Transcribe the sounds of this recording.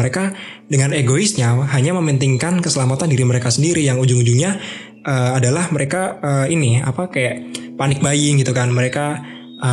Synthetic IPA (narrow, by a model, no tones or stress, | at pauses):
əɾeka | dəŋaneɡoisɲaɦaɲaməmənt̪iŋkankəsəlamat̪andiɾiməɾekasəndiɾijaŋuɲd͡ʒuŋud͡ʒuŋɲa | ʔəːadalahməɾekaəinia̰pakajaʔpanɪk̚bajɪŋɡit̪ukanməɾeka | ə